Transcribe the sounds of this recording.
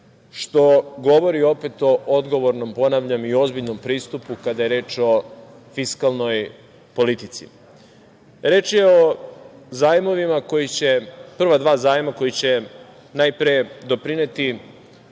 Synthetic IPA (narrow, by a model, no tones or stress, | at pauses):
ʃt̪o̞ɡo̞ʋo̞ɾio̞pe̞t̪o̞ʔo̞d̪ɡo̞ʋo̞ɾno̞mpo̞naʋʎamio̞zbiʎno̞mpɾiːst̪upukad̪aje̞ɾe̞ːt͡ʃo̞ | fiskalˠno̞j | po̞lit̪it̪sḭ | ɾe̞ːt͡ʃjeo̞ | zaːjmo̞ʋimako̞jit͡ɕe̞pr̩ʋad̪ʋaːzaːjmako̞jit͡ɕe̞ | najpɾijed̪o̞pɾinet̪i